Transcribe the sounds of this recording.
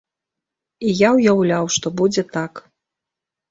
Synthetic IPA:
ijawjawlʲawʂt̪ɔbud͡zʲɛt̪ak

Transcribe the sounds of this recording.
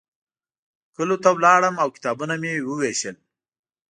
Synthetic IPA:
kəlot̪awlɑːɽəmawki̥t̪ɑbunamewəweʃəl

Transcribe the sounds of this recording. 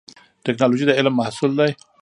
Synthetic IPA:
tɪknɑloʒid̪əɪlmːahsʊld̪aj

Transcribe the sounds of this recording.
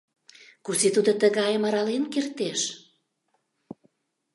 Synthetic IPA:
kusit̪ud̪ot̪əɣɑjəmɑɾɑlenkert̪eʃ

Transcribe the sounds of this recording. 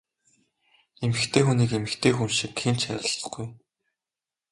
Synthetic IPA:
emɘ̆xt̪ʰeːxuniːkemɘ̆xt̪ʰeːxunʃikxent͡ɕʰæ̰ɾʲɪ̆ɮ̆ɡ̥uj

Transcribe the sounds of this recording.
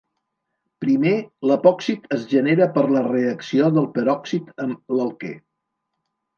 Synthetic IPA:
pɾimeləpɔksit̪əzʒəneɾəpəɾləreəksioðəlˠpəɾɔksit̪əmləlˠkḛ

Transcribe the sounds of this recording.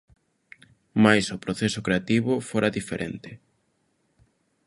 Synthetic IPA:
majsʊpɾoθesʊkɾeat̪iβʊfoɾaðifeɾʔḛnt̪ɪ

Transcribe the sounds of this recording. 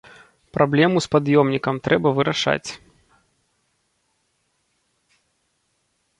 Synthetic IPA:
pɾablʲɛmuspad̪jɔmnʲikɐmt̪ɾʔɛbɐvɨɾaʂa̰t͡sʲ

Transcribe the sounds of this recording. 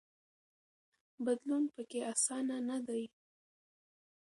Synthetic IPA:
bad̪lunpəkeasɑnanad̪aj

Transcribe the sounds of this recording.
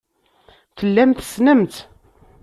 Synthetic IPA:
θəlːæmθə̥snəmt̪

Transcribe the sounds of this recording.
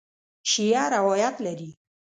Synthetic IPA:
ʃijɑɾawajat̪laɾi

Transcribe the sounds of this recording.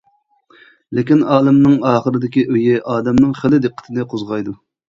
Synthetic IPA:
lɪkʲinɑːlˠɨmnɨŋɑːχəɾɨd̪ɪkʲiʔøjɪʔɑːd̪ɛmnɨŋχɪlɪd̪ɨqːə̥t̪ʰɨnɨqʰozʁɑjd̪u

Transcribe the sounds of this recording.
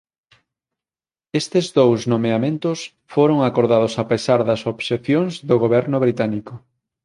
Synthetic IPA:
est̪ezðowsnomeamẽnt̪ʊs | foɾoŋakoɾðað̞osapesaɾðɐsoβseθjoŋzðoɣoβɛɾnʊβ̞ɾit̪anikʊ

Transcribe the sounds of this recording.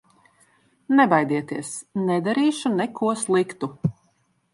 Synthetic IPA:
nɛbajd̪iɛt̪iɛsnɛd̪aɾiːʃunɛkʰuɔslˠikt̪u

